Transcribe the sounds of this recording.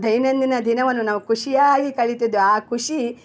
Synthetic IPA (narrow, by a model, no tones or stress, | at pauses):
d̪ʱɐjnɐnd̪inɐd̪ʱinɐʋɐnːunaːʋukuʂijaːɡikɐɭit̪id̪ːuaːkʰuʂi